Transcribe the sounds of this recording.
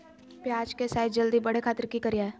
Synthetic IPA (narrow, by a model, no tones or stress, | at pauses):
pjaːd͡ʒkesaːɪd̪̚d͡ʒəld̪ibɐɽ̤ekʰaːt̪əɾkikəɾijaɛ